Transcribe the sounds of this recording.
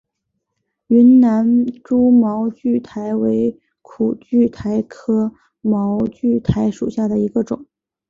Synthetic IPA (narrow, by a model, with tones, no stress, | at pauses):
y˧˥nna˧˥nʈ͡ʂu˥mɑ˧˥ʊt͡ɕy˥˩t̪ʰa˧˥ɪwe˧˥ɪ | kʰu˨˩t͡ɕy˥˩t̪ʰa˧˥ɪkʰɤ˥ | mɑ˧˥ʊt͡ɕy˥˩t̪ʰa˧˥ɪʂṵ˨˩ɕja˥˩d̪ə˩i˧˥ɡə˧ʈ͡ʂʊ̰˨˩˦ŋ